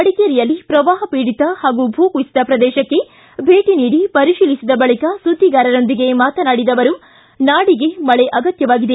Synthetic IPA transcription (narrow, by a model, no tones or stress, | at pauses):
ɐɽikeɾijɐlːipɾɐʋaːɦɐpiːɽit̪ɐhaːɡubʱuːkuisid̪ɐpɾɐd̪ɛːʃɐkːe̞ | bʱe̞ːʈiniːɽipɐɾiʃiːlisid̪ɐbɐɭikɐsud̪ʱːiɡaːɾɐɾo̞nd̪iɡe̞maːt̪ɐnaːɽid̪ɐʋɐɾu | naːɽiɡe̞mɐɭeʔɐɡɐt̪jɐʋaːɡid̪e